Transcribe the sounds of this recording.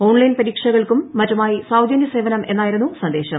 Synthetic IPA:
o̞ːɳlɐjnpɐɾiːkʂɐɣɐɭkumːɐtːumaːjisaːwd̪ʱjɐnjɐse̞ːʋɐnɐmʔe̞nːaːjiɾunːusɐnd̪e̞ːɕɐm

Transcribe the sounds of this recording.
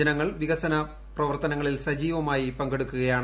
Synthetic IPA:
ɐnɐŋːɐɭʋiɣɐsɐnɐ | prɐʋɐrt̪ɐnɐŋːɐɭilsɐd͡ʑiːʋɐmaːjipɐŋɡe̞ɽukːuɣɐjaːɳ

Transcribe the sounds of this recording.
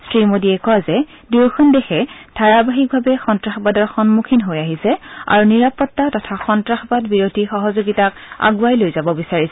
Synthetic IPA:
stɹimodiɛkɔazɛ | duɹkʰɔndɛxɛdʱaɹabaɦik̚bʱabɛxɔntɹaxbadɔɹxɔnmukʰinɦojaɦisɛa̰ɹuniɹapɔtːatɔtʰaxɔntɹaxbadbiɹodʱixɔɦɔzoɡitaka̰ɡuajlojzabɔbisaɹisɛ

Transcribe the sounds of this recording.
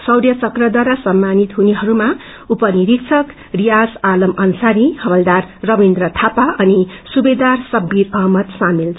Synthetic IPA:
sʌwɾjʌt͡sʌkrʌd̪waɾasʌmːanit̪ɦuneɦʌɾuma | upʌniɾikt͡sʰʌk | rijasalʌmʌnsaɾihʌbʌld̪arːʌbind̪rʌt̪ʰapaʌnisubed̪arsʌbːiɾʌɦmʌt̪samil

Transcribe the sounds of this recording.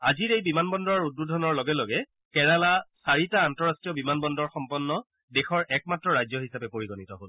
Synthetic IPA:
aziɹejbimanbɔndɔɔɹud̚budʱɔnɔɹlɔɡɛloɡɛ | kɛɹalasaɹitaːntɔɹastɹijɔbimanbɔndɔɹxɔmpɔnːɔ | dɛxɔɹʔɛk̚matɹɔɹajzɔɦisapɛpoɹiɡɔnitɔɦol

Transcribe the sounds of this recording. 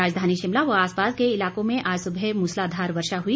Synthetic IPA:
aːd͡ʒd̪ʱaːniʃɪmlaʋɐaːspaːskeɪlaːkõmẽʔaːd͡ʒsʊbʱɛmuːslaːd̪ʱaːɾʋɐɾʃaɦui

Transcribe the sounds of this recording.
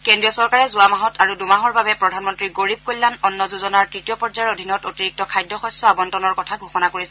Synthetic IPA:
kɛndɹijɔsɔɹkaɹɛzʊwamaɦɔtaɹudumaɦɔɹbabɛpɹɔdʱanmɔntɹiɡoɹib̚kojlːanɔnːɔzuzɔnaɹtɹitijɔpɔɹzaɹodʱinɔtotiɹik̚tɔkʰajdːɔxɔsɔabɔntɔnɔɹkɔtʰaɡʱuxɔnakoɹisɛ

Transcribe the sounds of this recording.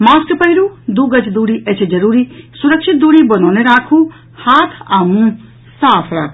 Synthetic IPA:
maːskpəiɾud̪uːɡət͡ʃd̪uːɽiʔɐt͡ʃʰd͡ʒɐɾuːɾisʊɾəkʃɪt̪̚d̪uːɽibɐnɔːneɾaːkʰũ | haːt̪ʰaːmũ | saːpʰɾaːkʰ

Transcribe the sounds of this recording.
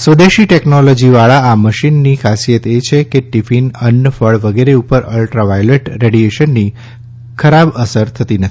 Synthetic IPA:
sʋəd̪eʃiʈɛknolɔd͡ʒiʋaɭaaməʃinːikʰasijət̪et͡ʃʰekeʈifinənːəfəɭʋəɡeɾeupəɾəlʈɾaʋajleʈɾeɽieʃənːi | kʰəɾabəsəɾt̪ʰət̪inət̪ʰi̥

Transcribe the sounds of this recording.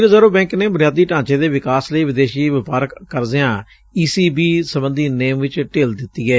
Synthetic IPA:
ɾzəɾõːbɛ̃ːŋkneːbʊnɪjaːd̪iːʈãːt͡ʃeːd̪eːʋɪkaːsləiːʋɪd̪eːʃiːʋɪpaːɾəkːəɾd̪ejãː | iːsiːbiːsəbənd̪iːneːmʋɪt͡ʃʈeːld̪ɪt̪ːiːɛː

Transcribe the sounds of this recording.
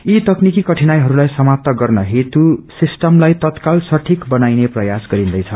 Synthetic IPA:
it̪ʌknikikʌʈʰinajɦʌɾulajsʌmap̚t̪ʌɡʌrnʌɦet̪usisʈʌmlajt̪ʌt̪kalsʌʈʰikbʌnajneprʌjasɡʌɾind̪ʌjt͡sʰʌ

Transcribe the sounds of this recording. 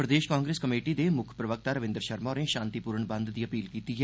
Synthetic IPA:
pɾəd̪eːʃkãːŋɡɾeːskəmeːʈid̪eːmʊkʰpɾəʋək̚t̪aːɾəʋɪ̃nd̪əɾʃəɾmɔːnẽːʃãːnt̪ipuːɾəɳbə̃nd̪d̪iːəpiːlkiːt̪iːɦɛ

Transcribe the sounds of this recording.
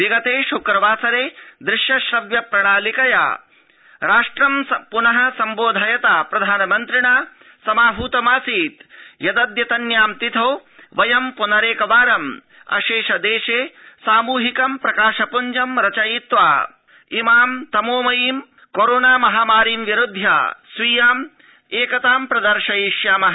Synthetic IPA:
ʋiɡɐt̪eːʃukɾɐʋaːsɐɾeːd̪ɾɪʃjɐʃɾɐʋjɐpɾɐɳaːlikɐja̰ː | ɾaːʂʈɾɐmsɐpunɐɦɐsɐmboːd̪ʱɐjɐt̪aːpɾɐd̪ʱaːnɐmɐnt̪ɾɪɳaː | sɐmaːbʱuːt̪ɐmaːsiːt̪jɐd̪ɐd̪jɐt̪ɐnjaːmt̪it̪ʰoːʋɐjɐmpunɐɾeːkɐʋaːɾɐm | ɐ̰ʃeːʃɐd̪eːʃeːsaːmuːɦikɐmpɾɐkaːʃɐpuɲd͡ʒɐmɾɐt͡ʃɐjit̪ʋa̰ː | imaːmt̪ɐmoːmɐjiːm | koɾoːnaːmɐɦaːmaːɾiːmʋiɾud̪ʱja̰ːsʋiːjaːm | eːkɐt̪aːmpɾɐd̪ɐɾʂɐiʃjaːmɐɦɐ

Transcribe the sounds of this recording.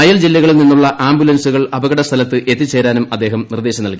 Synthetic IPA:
ɐjɐld͡ʑilːɐɣɐɭilninːuɭːɐʔaːmbjulɐnsuɣɐɭɐbɐɣɐɽɐst̪ʰɐlɐt̪ːɨʔet̪ːit͡ɕeːɾaːnumɐd̪ːe̞ːɦɐmnird̪eːɕɐmnɐlki

